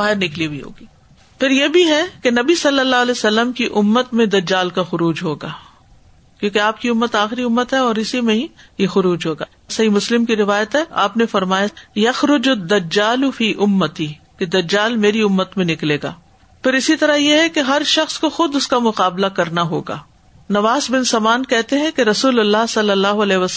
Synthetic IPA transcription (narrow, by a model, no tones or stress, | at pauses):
baːɦɪɾnɪklibiɦo̰ːɡiː | pʰɪɾjebʱiɦɛkenɐbisɐlːəlːaːɦɐlɛːsɐlːəmkiʔʊmːət̪mẽd̪ɐd͡ʒːaːlkaxʊɾuːd͡ʒɦoːɡaː | kjõːkeaːpkiʊmːət̪aːxɪɾiʊmːət̪ɦɛɔːɾɪsimẽɦĩjexʊɾuːd͡ʒɦoːɡa̰ː | sɐɦimʊslɪmkiɾɪʋaːjət̪ɦɛʔa̰ːpnefɐɾmaːjajɐxɾʊd͡ʒʊd̪ːɐd͡ʒaːlʊfiːʔʊmːɐt̪iː | ked̪ɐd͡ʒːaːlmeːɾiʊmːət̪mẽnɪkleːɡa̰ː | pɪɾɪsit̪ɐɾaɦjeɦɛkeɦɐɾʃɐxskoxʊd̪ʊskamʊqaːblakɐɾnaɦoːɡa̰ː | nɐʋaːzbɪnsɐmaːnkɛɦt̪eɦɛ̃keɾɐsuːlɐlːasɐlːɐlːaːɦoɐlɛːɦʋɐs